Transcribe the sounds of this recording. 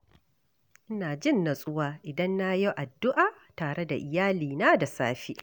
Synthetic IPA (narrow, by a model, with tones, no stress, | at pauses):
ʔɪ˦naː˨d͡ʒɪ˦˨nːa˨sʼʊ˦waː˦ʔɪ˨dɐ˦nːa˦jo˦ʔa˨dːʊ˦ʔaː˨ | taː˨ɽe˦da̰˨ʔɪ˨jaː˦liː˨naː˦da˨sa̰ː˦ɸi˦